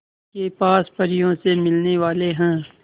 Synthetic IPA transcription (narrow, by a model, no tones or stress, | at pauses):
kepaːspɐɾijõsemɪlneʋaːleɦɛ̃ː